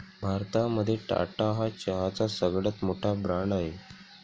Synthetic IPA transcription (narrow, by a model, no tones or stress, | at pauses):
bʱaɾt̪aməd̪ʱːjeʈa̰ʈaɦat͡ɕəɦat͡sasəɡɭət̪moʈʰabɾaɳɖaɦe